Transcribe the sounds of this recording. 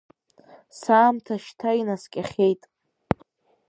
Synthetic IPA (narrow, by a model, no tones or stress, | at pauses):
saːmtʰaʃtʰainaskʲʼaχʲe̞jtʼ